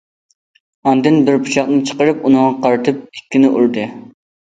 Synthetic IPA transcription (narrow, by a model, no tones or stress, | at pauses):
ɑnd̪ɨnbɪɾpʰu̥ʃɑχnɨt͡ʃʰə̥qəɾɨpunɨŋɑqʰɑɾt̪ʰɨp̚ɪkʲːɪnɪʔuɾd̪ɨ